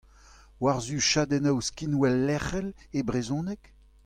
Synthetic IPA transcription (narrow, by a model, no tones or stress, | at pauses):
waʁzyʃad̪ɛnawskinwɛlːɛχɛlebʁezɔ̃ːnɛk